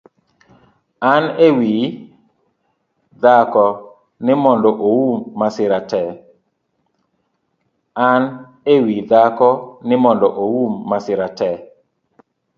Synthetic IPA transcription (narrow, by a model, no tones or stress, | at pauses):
anewi | d̪akɔ | nɪmɔndɔʔowumːasɪɾatɛ | an | ewid̪akɔnɪmɔndɔʔowumːasɪɾatɛ